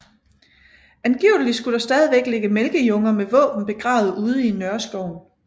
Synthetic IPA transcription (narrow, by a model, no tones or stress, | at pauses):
ænɡ̥iʊl̩li̥sɡ̥ud̥ɑ̈sd̥ɛð̞ˠiʋeɡ̥leɡ̥əmelɡ̥əjɔ̽ŋɐmeʋɔ̰̽ːb̥n̩b̥e̝ɡ̥ʁɑ̈ːʊð̞̩ˠuːð̞ˠinɶɐsɡ̥ɒʊ̰n